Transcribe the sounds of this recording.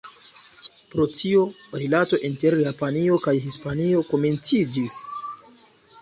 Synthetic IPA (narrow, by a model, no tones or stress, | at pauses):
pɾo̞tio̞ɾilato̞ʔinte̞ɾjapanio̞kajɦispanio̞ko̞me̞nt͡sid͡ʒis